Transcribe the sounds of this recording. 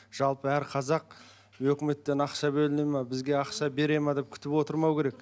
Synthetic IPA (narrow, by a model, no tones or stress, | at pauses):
ʒ̥ɑlˠpəæɾqʰɑzɑq̚ | wɵkʲɪme̞t̪ːe̞nɑqʃɑbɵlɪnejmɑbɪzɡʲe̞ɑqʃɑbe̞ɾe̞mɑd̪e̞p̚kʲʰʏ̥t̪ɪpwo̞t̪əɾmɑwkʲe̞ɾek